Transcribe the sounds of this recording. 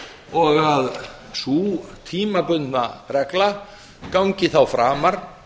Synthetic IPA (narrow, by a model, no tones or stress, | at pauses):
ɔɣað | suːt̪ʰiːmapʏnnaɾɛkla | kawɲcɪθawfɾaːmaɾ̥